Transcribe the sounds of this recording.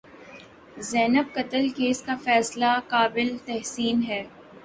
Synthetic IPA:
zɛːnəb̚kɐt̪əlkeːskafɛːslakaːbɪlt̪ɛɦsiːnɦɛː

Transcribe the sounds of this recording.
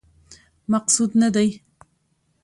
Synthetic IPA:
mɑqsud̪nad̪aj

